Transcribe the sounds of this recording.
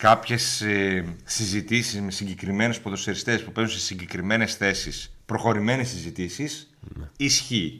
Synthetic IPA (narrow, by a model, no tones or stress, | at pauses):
kɐpçe̞sː | izit̪isizme̞siɲɟe̞kɾime̞nespoðo̞seɾist̪e̞spupe̞zun̩sesiɲɟe̞kɾime̞ne̞sθe̞sispɾo̞xo̞ɾime̞nesizit̪isisisçi